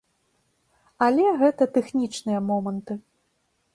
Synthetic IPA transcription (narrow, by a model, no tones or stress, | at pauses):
ɐlʲɛɣɛt̪ɐt̪ɛxnʲit͡ʂnɨjɐmɔmɐnt̪ɨ